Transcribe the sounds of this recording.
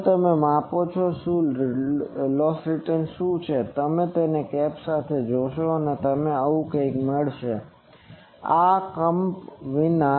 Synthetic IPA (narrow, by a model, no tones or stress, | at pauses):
t̪əmemãpot͡ʃʰɔʃũ | lɔfɾiʈənʃũt͡ʃʰet̪əmet̪enekɛpsat̪ʰed͡ʒoʃoənet̪əmeəʋũkəikməɭʃe | akəmpʋina